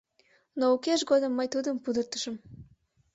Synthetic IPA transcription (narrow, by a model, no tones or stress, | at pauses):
noukeʃɡod̪əmːəjt̪ud̪əmpud̪ərt̪ə̥ʃə̆m